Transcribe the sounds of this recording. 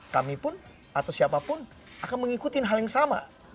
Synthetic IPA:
kamipʊn | at̪awsiapapʊn | akanməŋikut̪ɪnɦaljaŋsama̰

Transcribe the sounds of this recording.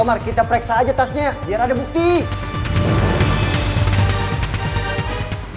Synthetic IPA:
omarkit̪apɾɛksaːd͡ʒat̪asɲabiaɾadabuk̚t̪i

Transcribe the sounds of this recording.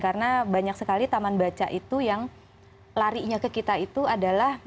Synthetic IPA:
kaɾənabaɲak̚səkalit̪amanbat͡ʃa̰ʔit̪ujaŋ | laɾiɲakəkit̪ait̪uadalah

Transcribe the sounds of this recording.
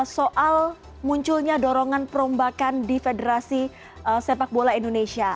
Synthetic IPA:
soʔal | muɲt͡ʃulɲadɔɾɔŋanpəɾɔmbakandifedəɾasi | əsepak̚bolaindonesia

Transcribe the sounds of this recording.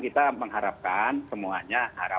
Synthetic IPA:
kit̪aməŋɦaɾap̚kansəmuaɲaha̰ɾa

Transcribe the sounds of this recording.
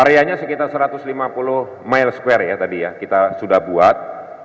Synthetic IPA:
aɾeaɲasəkit̪arsəɾat̪ʊslimapulʊ | majlskwɛrjat̪adijakit̪asudahbuat̪̚

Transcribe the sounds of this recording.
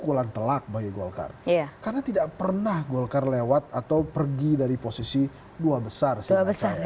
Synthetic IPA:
kulant̪əlak̚baɡiɡolka̰rjakarnat̪idaʔpərnahɡolkarlewat̪̚at̪awpərɡidaɾiposisi | duabəsarsiabəsa

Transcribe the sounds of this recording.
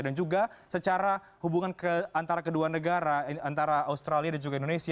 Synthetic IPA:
dand͡ʒuɡasət͡ʃaɾa | hubuŋankəant̪aɾakəduanəɡaɾaant̪aɾaaust̪ɾaliadand͡ʒuɡaindonesi

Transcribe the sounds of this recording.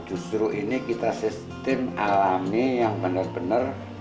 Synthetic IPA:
d̥ʒ̥ṳst̪ɾuʔinikit̪asis | t̪ɪmalamijaŋbənərb̥ənər

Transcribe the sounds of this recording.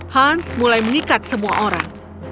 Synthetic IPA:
hansmulajməɲikat̪̚səmua̰ʔoɾa̰ŋ

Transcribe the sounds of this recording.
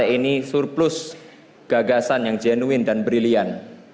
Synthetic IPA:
ɛinisurplʊs | ɡ̥aɡasanjaŋd͡ʒenuwɪndanbɾilian

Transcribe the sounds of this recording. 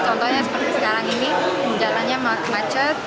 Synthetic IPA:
t͡ʃɔnt̪ɔhɲasəpərt̪aŋsəkaɾaŋiniəɲd͡ʒalanɲamakmat͡ʃət̪̚

